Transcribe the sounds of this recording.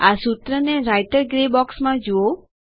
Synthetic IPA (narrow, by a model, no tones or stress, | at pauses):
asut̪ɾəneɾajʈəɾɡɾebɔksmãd͡ʒuo